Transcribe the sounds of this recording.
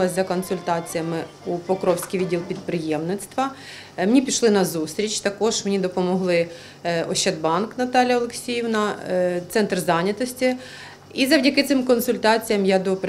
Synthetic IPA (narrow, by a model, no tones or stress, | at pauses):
lˠɐzʲzɐkɔnsʊlʲt̪ɑt͡sʲijɐmɪ | upɔkɾɔwsʲkʲijʋʲidʲilˠpʲid̪pɾɪjɛmnɪt̪st̪ʋɐ | menʲipʲiʃlˠɪnɐzust̪ʲɾʲit͡ʃt̪ɐkɔʒmenʲid̪ɔpɔmɔɦlˠɪ | ɔʃt͡ʃːɐd̪̚bɑnknɐt̪ɑlʲjɐɔlˠeksʲijɪwnɐt̪sɛnt̪rzɑnʲɐt̪ɔsʲtʲi | izɐwdʲɐkɪt̪sɪmkɔnsʊlʲt̪ɑt͡sʲijɐmjad̪ɔp